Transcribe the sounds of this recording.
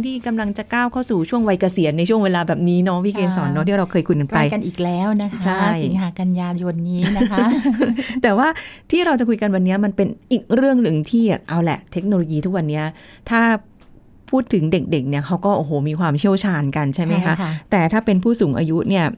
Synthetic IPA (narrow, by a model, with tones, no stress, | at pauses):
ŋt̪ʰiː˥˩ka˧mla˧ŋt͡ɕa˨˩kaː˥˩wkʰa˥˩wsuː˨˩t͡ɕʰu˥˩əŋwa˧jka˧si˨˩˦ənːa˧jt͡ɕʰu˥˩əŋweː˧laː˧bɛː˨˩p̚niː˦˥nɔ˦˥wiː˥˩keː˧nsɔː˩˦nːɔ˦˥t̪iː˥˩ɾa˧wkʰɤː˧jkʰu˧jka˧npa˧jka˧nʔiː˨˩k̚lɛː˦˥wna˦˥kʰat͡ɕʰa˥˩jsi˦ŋɦaː˩˦ka˧njaː˧jo˧nːiː˦˥na˦kʰa˥t̪ɛː˨˩waː˥˩t̪ʰiː˥˩ɾa˧wt͡ɕa˨˩kʰu˧jka˧nwa˧nːi˦˥ɐma˧npe˧nʔiː˨˩k̚ɾɯ˥˩əŋnɯ˨˩ŋt̪ʰiː˥˩˨ʔa˧wlɛ̰˨˩ʔt̪ʰe˦˥k̚noː˧loː˧jiː˧t̪ʰu˦˥k̚wa˧nːi˦˥ɐ | t̪ʰaː˥˩ | pʰuː˥˩t̪ʰːɯ˨˩˦ŋde˨˩k̚de˨˩k̚ni˥˩ɐkʰa˦˥wkɔː˥˩ʔoː˧hoː˨˩˦miː˧kʰwaː˧mt͡ɕʰi˥˩əwt͡ɕʰaː˧nka˧nt͡ɕʰa˥˩jma˦˥jkʰa˦˥t̪ɛː˨˩t̪ʰaː˥˩pe˧npʰuː˥˩suː˩˦ŋʔa̰ː˧ju˦˥ni˥˩ɐ